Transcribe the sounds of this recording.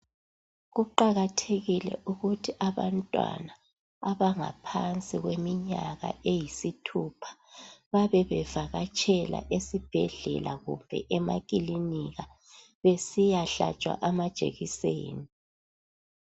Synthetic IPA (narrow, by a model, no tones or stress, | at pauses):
ɣuǃaɣatʰeɣilɛ̰ʔuɣutʰiʔaβantʼwa̰naː | βaŋa̰pʰant͡sʼiɣwemiɲaɣa̰ʔejisitʰupʰḁβaβɛβɛv̥aɣat͡ʃʼɛla̰ʔesib̥ʱɛɮɛ̰laɣṵmbʱɛ̰ʔɛma̰kʼiliniɣa | βesijaɬa̰t͡ʃʼwa̰ʔamad̥ʒ̥ʱḛɣisḛːni